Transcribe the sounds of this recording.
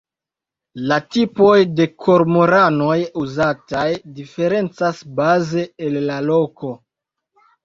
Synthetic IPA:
latipo̞jde̞kʰo̞ɾmoɾano̞juzatajdife̞ɾe̞nt͡sasbaze̞elːalo̞ko̞

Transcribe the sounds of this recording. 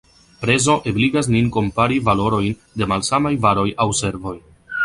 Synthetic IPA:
pɾe̞zo̞ʔebliɡas̬ninko̞mpaɾivalo̞ɾo̞jn | de̞malsamajvaɾo̞jawse̞ɾvo̞j

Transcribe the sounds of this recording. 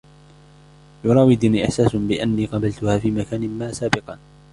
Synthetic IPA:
jʊɾˤɑːwɪd̪niːʔɪħsaːsʊbɪʔanːiːqɑbalt̪ʊhaːfiːmakaːnɪmːaːsaːbɪqɑ

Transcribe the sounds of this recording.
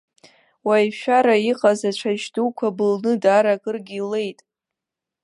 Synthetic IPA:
wajʃᶣaɾaiqʼazat͡ʃʷʰaʒduwkʷʰabɨlnɨdaɾakʼɨrɡʲile̞jtʼ

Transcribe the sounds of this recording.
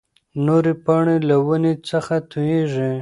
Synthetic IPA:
noɾepaɳelawənet͡səxat̪ʰujeʐi

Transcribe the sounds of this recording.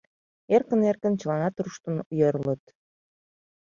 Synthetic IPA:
erkənerkənt͡ɕəlɑnɑt̪ruʃt̪ə̆nujəɾlə̆t̪

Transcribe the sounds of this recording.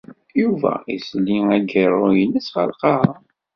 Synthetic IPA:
juvæ̰islːiŋæɡəɾˤojənːəsχəlqɑ

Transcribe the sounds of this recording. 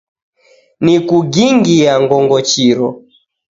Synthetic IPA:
nikuɡiŋɡiaŋɡɔŋɡɔt͡ʃiɾɔ

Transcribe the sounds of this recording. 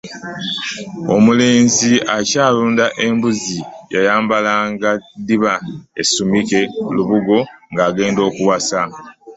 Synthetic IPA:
o̞̰mule̞ːnziacaːluːndaʔe̞mbuzijajaːmbalaːŋɡadiβaḛsumike̞luβuɡo̞ŋɡaːɡe̞ːndo̞ːkuwasa

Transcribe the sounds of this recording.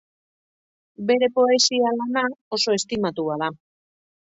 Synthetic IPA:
be̞ɾe̞po̞e̞sialanao̞so̞e̞st̪imat̪uað̞a

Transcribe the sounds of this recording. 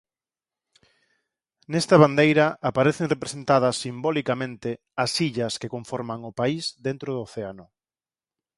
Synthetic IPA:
nɛst̪ɐβand̪ejɾɐapaɾeθeŋrepɾesent̪aðɐsːimbolikamẽnt̪ɪ | ɐsiʎɐskekõɱfɔɾmaŋʊpaisd̪ent̪ɾʊðoːθeanʊ

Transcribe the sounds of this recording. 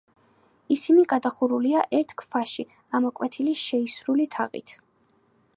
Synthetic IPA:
isimiɡad̪aχuɾuliaʔɛɾt̪ʰkʰfʰaʃi | amɔkʼwɛt̪ʰiliʃɛisɾulit̪ʰa̰ʁḭt̪ʰ

